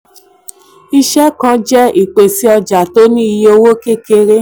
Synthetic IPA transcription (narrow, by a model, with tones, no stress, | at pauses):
i˧ʃɛ˦kã˧˦d͡ʒɛ˦i˦˨k͡pe˨si˨˦ɔ˧d͡ʒa˨to˦nĩ˦i˧ji˧o˧wo˦ke˦ke˧ɾe˦